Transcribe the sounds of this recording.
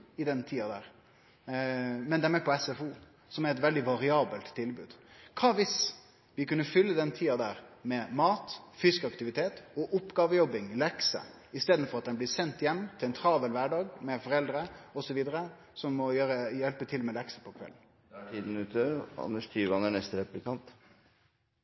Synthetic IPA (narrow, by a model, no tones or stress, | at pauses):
ɪd̪ɛnːt̪ʰiːɑd̪æːɾ | mɛnd̪æmɛpʰɔɛsɛfuː | sɔmæɾɛt̪ʋɛld̪ɪʋɑɾɪɑːbəlt̪ʰːɪlbʉːd̪kʰɑːʋɪs | ʋɪkʉnːəfʏlːəd̪ɛnt̪ʰiːɑd̪æːɾmɛmɑːt̪fʏskɑkt̪ɪʋɪt̪ʰeːt̪ɔʔʊpːɡɑːʋəjɔbɪŋlɛksə̰ | ɪst̪eːd̪n̩fɔɾɑt̪̚d̪ɛnbliːsɛnt̪jɛmːt̪ʰɪlɛnt̪ʰɾɑːʋəlʋæɖɑːɡmɛfɔɾɛld̪ɾəɔsɔʋiːd̪əɾə | sɔmːɔjøːɾəjɛlpət̪ʰɪlmɛlɛksə̥pʰɔkʰʋɛ̰lːn̩ | ʈʰiːd̪n̩ʉːt̪ʰəɑ̰nːəʂkʰɾiːʋəɑnæɳɛst̪əɾɛplɪkʰɑnt̪